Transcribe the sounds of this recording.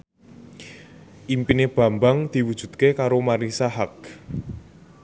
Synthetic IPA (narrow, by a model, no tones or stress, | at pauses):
ʔimpineb̥ä̤mbaŋd̪̥i̤wud̥ʒ̥ṳd̪̚kekaɾomaɾisaɦak̚